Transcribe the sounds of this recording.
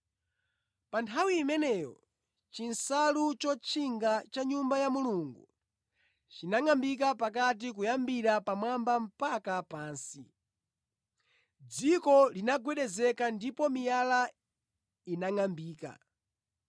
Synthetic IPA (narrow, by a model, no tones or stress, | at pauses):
pantʰawiːmɛnɛjɔ̰ | t͡ʃinsalut͡ʃɔt͡ʃʰiŋɡat͡ʃaɲumbajamuluːŋɡu | t͡ʃinaŋambik̬apak̬at̬ik̬ujambiɾapamwambam̩pakapaːnsḭ | d͡zikɔlinaɡwɛɗɛzɛkandipɔmijala | inaŋambiːka̰